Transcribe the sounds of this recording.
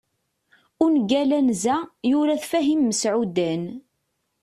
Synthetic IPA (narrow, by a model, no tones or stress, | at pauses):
ʊnɡælænzæjʊɾæθfæɦimːəsʕud̪æn